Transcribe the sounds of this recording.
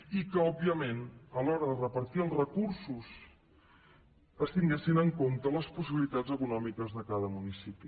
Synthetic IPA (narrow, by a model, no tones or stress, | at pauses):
ikəɔbiəmenəlɔɾəðərəpəɾt̪iəlˠzrəkuɾsus | əst̪iŋɡɛsinəŋkont̪ələspus̬iβilit̪ad͡zəkunɔmikəzðəkaðəmunisipi